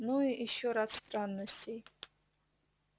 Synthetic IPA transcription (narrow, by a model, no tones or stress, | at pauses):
nuiʔɪʃoɾatst̪ʼranːəsʲtʰʲej